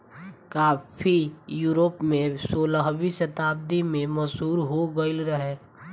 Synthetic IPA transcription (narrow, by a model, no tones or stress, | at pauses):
kaːpʰijuːɾoːpmẽsoːlaɦbisɐt̪aːb̚d̪imẽməzɦuːɾɦoɡəɪlɾəɦeː